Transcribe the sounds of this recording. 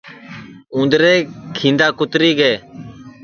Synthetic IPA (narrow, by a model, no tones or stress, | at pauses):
ũːnd̪ɾeːkʰĩːnd̪aːkʊt̪ɾiːɡeː